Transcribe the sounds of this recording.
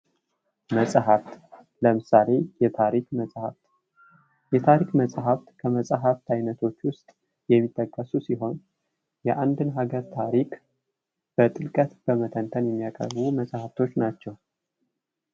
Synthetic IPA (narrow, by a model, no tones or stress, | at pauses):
məsʼɦaft̪ | ləmɨsale̞jɛt̪ʰaɾikməhat̪ | jɛt̪ʰaɾikməsʼɦaft̪kʰəməsʼaɦaft̪ʰajnət̪ʰo̞t͡ʃːwʊst̪ʼ | jɛmːit̪ʼːəkʼːəsusiɦo̞n | jɛʔand̪ɨnɦaɡəɾt̪ʰaɾikʼ | b̥ət̪ʼɨlkʼət̪b̥əmət̪ʰənt̪ʰənjɛmːijakʼə̰ɾbuməsʼhaft̪ʰo̞t͡ʃːnat͡ʃːɛw